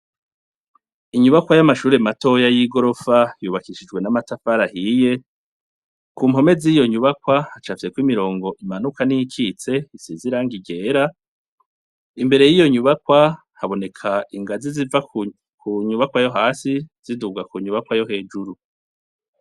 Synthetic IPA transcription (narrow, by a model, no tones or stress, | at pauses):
iɲuβakwajamaʃuːɾe̞mato̞jajiɡo̞ɾo̞fajuːβakiʃid͡ʒwe̞namatafaɾahiːje̞ | kuːmho̞me̞ziːjo̞ɲuβakwahat͡ʃafise̞kwimiɾo̞ːŋɡo̞ʔimanukanijikʰit͡se̞isiziɾaːŋɡiɡe̞ːɾa | imbe̞ɾe̞jijo̞ɲuβakwa | haβo̞ne̞kʰaiŋɡaziziva | kʰuɲuβakwajo̞ɦaːsiz̥iduɡakuɲuβakwajo̞ɦe̞ːd͡ʒuɾu